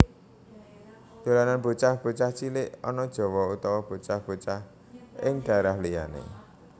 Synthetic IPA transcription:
d̪̥o̤lananb̥o̤t͡ʃahb̥ṳt͡ʃaht͡ʃilɪʔɔ̰nɔd̥ʒ̥ɔ̤wɔut̪ɔwɔb̥o̤t͡ʃahb̥o̤t͡ʃah | ɪŋɖ̥ä̤ɾahlija̰nḛ

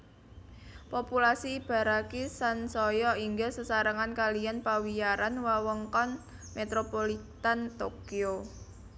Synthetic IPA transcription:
populasiːb̥a̤ɾakisansɔjɔiŋɡəsəsaɾəŋankalijanpawijaɾanwawəŋkɔn | met̪ɾopolit̪ant̪okio

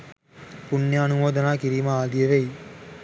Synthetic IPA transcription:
punjəɐnuʋoːd̪ɐnaːkiɾiːməaːd̪ijeʋej

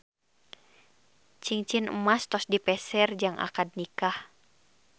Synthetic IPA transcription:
t͡ʃiŋt͡ʃinə̰mast̪ɔsdipɛsɛrd͡ʒaŋʔa̰kad̚nikah

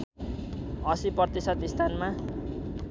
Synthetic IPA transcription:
ʌsiprʌrʌt̪isʌt̪ist̪ʰanma

